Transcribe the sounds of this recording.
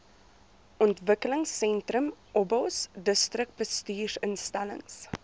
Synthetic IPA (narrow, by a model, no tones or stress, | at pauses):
ʔɔntvəkələŋsɛntrəmʔɔbɔsdəstrək̚bəstyːrənstælə̰ŋs